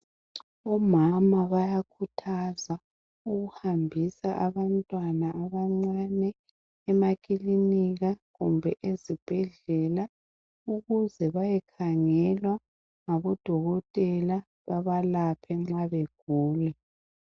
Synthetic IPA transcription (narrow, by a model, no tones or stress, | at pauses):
ɔmamaβajakʰutʰaza | uɣuhambʱisaʔaβantʼwanaːβaŋ͡ǀwanɛː | makʼiliniɣaɣumbʱɛʔezib̥ʱɛɮɛla | uɣuzɛβajɛkʰaŋɛlwa | ŋaβɔd̥ʱɔɣɔtʼɛla | βaβalapʰɛŋ͡ǁaβeɡ̥̚ʱuːlɛ